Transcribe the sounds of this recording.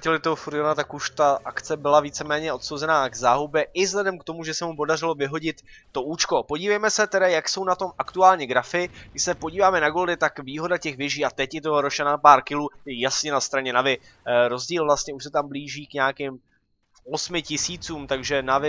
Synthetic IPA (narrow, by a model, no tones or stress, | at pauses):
cɛlɪt̪oɦofuɾɪonat̪akuʃt̪aʔakt͡sɛbɪlaviːt͡sɛmɛːɲɛʔo̞t̪sowzɛnaːɡzaːɦubjɛʔɪvzɦlɛdɛmkt̪o̞muʒɛsɛmupo̞dar̝ɪlo̞vɪɦo̞ɟɪt̪ː | o̞ʔuːt͡ʃko̞po̞ɟiːvɛjmɛsɛt̪ɛdajakso̞wnat̪o̞mʔakt̪uaːlɲɛɡɾafɪɡdɪʃsɛpo̞ɟiːvaːmɛnaɡo̞ldɪt̪akviːɦo̞dacɛxvɪʒiːat̪ɛcjɪt̪̬oɾoʃɛnapaːɾkɪluːjɛjasɲɛnast̪ɾaɲɛnavɪ | ɾo̞zɟiːlvlast̪ɲɛuʃsɛt̪ambliːʒiːkɲaːkɪm | o̞smɪcɪsiːt͡suːmt̪aɡʒɛnavɪ